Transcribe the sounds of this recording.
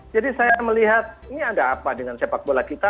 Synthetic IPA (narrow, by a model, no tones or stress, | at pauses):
d͡ʒadisajaməliɦat̪̚iniadaːpadəŋansiapak̚bolakit̪a